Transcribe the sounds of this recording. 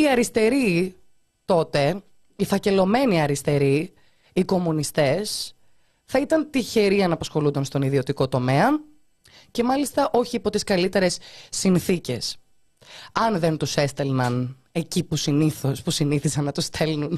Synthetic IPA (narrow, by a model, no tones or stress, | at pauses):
iɐɾist̪e̞ɾi | t̪o̞t̪e̞ | ifɐce̞lo̞me̞niɐɾist̪e̞ɾiː | ko̞munist̪e̞s | θɐit̪ɐnt̪içe̞ɾiɐnɐpɐsxo̞lund̪ɐnst̪o̞niðio̞t̪iko̞t̪o̞me̞ɐ | ce̞mɐlist̪ɐʔo̞çiipo̞t̪iskɐlit̪e̞ɾe̞sːinθice̞s | ɐnðe̞nt̪use̞st̪e̞lnɐn | e̞cipusiniθo̞spusiniθisɐnːɐt̪ust̪e̞lnun